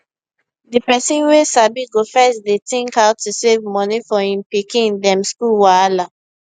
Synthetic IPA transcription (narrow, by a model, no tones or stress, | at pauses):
dipɛsĩnwesabiɡofɛsdetĩŋkhaʊtusevmɔnifɔĩmpikĩndɛ̃mskulwaala